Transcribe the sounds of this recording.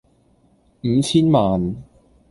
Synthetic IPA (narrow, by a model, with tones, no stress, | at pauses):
m̩˨˧t͡ɕʰiː˥nmaː˨n